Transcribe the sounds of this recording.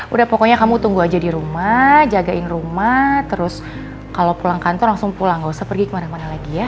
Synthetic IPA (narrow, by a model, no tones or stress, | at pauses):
udahpɔkɔɲakamut̪uŋɡuad͡ʒadiɾumad͡ʒaɡaʔɪnrumat̪əɾʊs | kalowpulaŋkant̪ɔlaŋsʊŋpulaŋɡausapərɡikəmaɾamanalaɡija